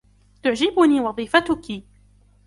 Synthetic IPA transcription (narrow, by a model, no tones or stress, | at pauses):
t̪ʊʕd͡ʒɪbʊniːwɑðˤiːfat̪ʊki